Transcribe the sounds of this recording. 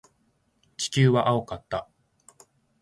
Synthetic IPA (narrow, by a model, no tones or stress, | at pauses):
t͡ɕi̥kʲɨːβaʔao̞kat̪ːa